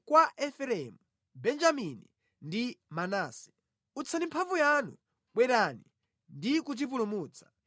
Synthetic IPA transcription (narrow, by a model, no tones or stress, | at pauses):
kwaʔɛfɛɾɛmu | bɛnd͡ʒamini | ndimanaːsɛ̥ | ut͡sʰandimpʰavujanṵ | ɓwɛɾani | ndikut̬ip̬ulumuːt͡sʰḁ